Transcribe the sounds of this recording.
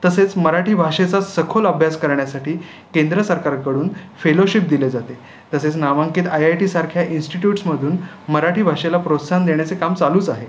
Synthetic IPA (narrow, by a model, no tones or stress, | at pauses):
t̪əset͡sməɾaʈʰiːbʱaʂet͡sasəkʰoləbʱjaskəɾɳjasaʈiː | kend̪ɾəsəɾkaɾkəɽuːnfeloɕip̚d̪iled͡zat̪e | t̪əset͡snaʋaŋkiːt̪ajajʈiːsaɾkʰjaʔinsʈiʈjuʈsməd̪ʱuːn | məɾaʈiːbʱaʂelapɾot̪sand̪eɳjat͡sekamt͡saluːt͡saɦe